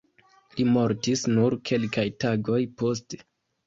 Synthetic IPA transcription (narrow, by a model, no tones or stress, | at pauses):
limo̞ɾtisnuɾkʰe̞lkajtaɡo̞jpo̞s̬te̥